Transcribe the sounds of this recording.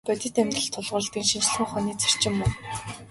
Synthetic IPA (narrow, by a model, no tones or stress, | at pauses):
pæt̪ʲɪ̆t̪emt̪ə̆ɬt̪ʰːʊɮʁʊ̆ːɮt̪iːŋʃint͡ɕɮɘ̆ŋχɔniːt͡sʰæ̥r̥t͡ɕɪ̆mːʊn